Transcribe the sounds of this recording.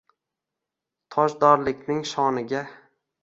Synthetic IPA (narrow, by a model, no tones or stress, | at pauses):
t̪ʰɒʃd̪ɒɾlɪkʲnɪŋʃɒnɪɡʲa